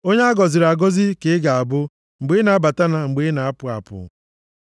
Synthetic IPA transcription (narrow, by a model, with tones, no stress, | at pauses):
o˦ɲe˦a˦ɡɔ˨zɪ˨ɾa˨ɡo˦zi˦ke˨˦ɡa˨a˨bʊ˦ | ŋ͡m̩˨ɡ͡be˦na˨a˦ba˨ta˦na˨ŋ͡m̩˨ɡ͡be˦na˨a˦pʊ˨a̰˨pʊ̰˨